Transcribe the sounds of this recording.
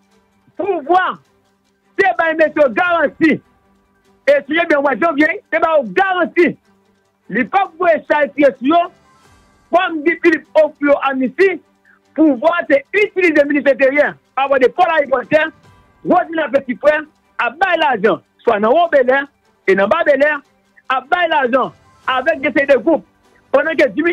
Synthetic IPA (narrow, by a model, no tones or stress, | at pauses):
puvwa | tebaĩmesioɡaɣãsi | esũjobɛ̃mwɛ̃zɔ̃oɡẽĩtebajoɡaɣãti | lipaɡoeʃaesiesũjo | k͡pwam̩dĩfilip̚ofijoʔamĩsi | puvwateytilizemĩnĩs̬ɛ̃t̬eiɛ | avɔdepɔlaɣipɔtɛ | wozinafɛsipwɛ | abailaʒã | swanãwobelɛ | enãbabelɛ | abailaʒã | avɛk̚ɡɛ̃s̬eideɡup̚ | pãdãk̬ed͡ʒĩm